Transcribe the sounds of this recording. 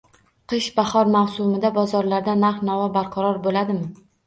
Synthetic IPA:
qʰɨʃbahɒɾmawsʊmɪd̪abɒzɒɾlaɾd̪anaɾχnɒvabaɾqʰɑɾɒɾbolad̪ɪmɪ

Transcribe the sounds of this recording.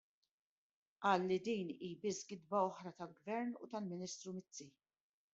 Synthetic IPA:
ʔɐːlːid̪iːniːbɪsɡɪd̪bɐɔħɾɐt̪ɐlɡvɛɾnṵt̪ɐlmɪniːst̪ɾumɪt͡sːi

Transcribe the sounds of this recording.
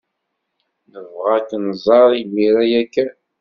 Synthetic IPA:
nəvʁækːənzˤɑɾˤimiɾæjækːæ

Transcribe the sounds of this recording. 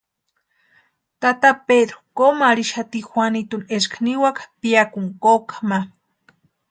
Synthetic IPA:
t̪at̪aped̪ɾo̥komaɾiʃat̪ixʷwanit̪uneskʰaniwakʰḁpiakuŋkokḁma

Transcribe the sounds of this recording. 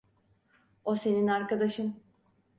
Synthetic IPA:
o̞se̞ninaɾkad̪aʃɯn

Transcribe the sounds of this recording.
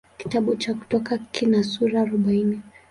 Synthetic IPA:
ki̥taɓut͡ʃaku̥tɔkakʰinasuɾaːɾɔɓaini

